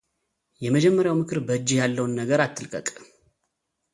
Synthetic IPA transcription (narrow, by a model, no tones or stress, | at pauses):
jɛməd͡ʒɛmːəɾjawmɨkʰɨɾbəɨd͡ʒːihjalːəwnːəɡəɾat̪ʰːɨlkʼə̰kʼ